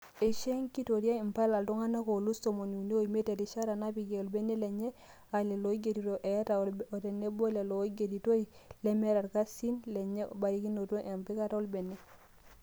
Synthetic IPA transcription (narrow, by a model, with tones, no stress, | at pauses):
e˨ʃe˦ŋki˦to˨ɾja˦i˨mpa˦la˨ldo˦ŋa˦na˦ko˨lu˦so˨mo˨nu˨ne˦o˦˨i˨me˦te˨ti˨ʃa˦ɾa˨na˦pi˨ɡe˨o˨lbe˦ne˦lɛ˨ɲɛ˦ | a˨lɛ˨lo˨i˦ɡe˨ɾi˨ɾo˨ʔe˨˦ta˨lɔ˨tɛ˨ne˦bo˦le˨lo˨˦ɡe˨ɾi˨to˦i˨lɛ˦mɛ˦ɾa˨ɾka˦si˦nlɛ˨ɲḛ˦˨ba˨ɾi˦ki˦no˨to˦ʔe˨mpi˦ka˦ta˦o˦lbe˨nɛ˦